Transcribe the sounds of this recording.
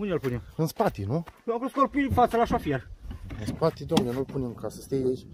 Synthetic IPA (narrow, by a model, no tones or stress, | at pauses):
unelpunemɨnspat̪inuakoskoɾpifaselaʃofieɾɨnspat̪id̪omnenulpunemkasəst̪ejet͡ʃ